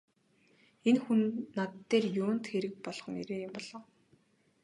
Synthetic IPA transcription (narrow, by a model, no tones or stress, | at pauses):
enxunːat̪ːeːrjʊːn̥t̪xeɾɘ̆k̚pɔɮχɞ̆ŋeɾeːjʊmpɔɮ̥ɞ̆ːw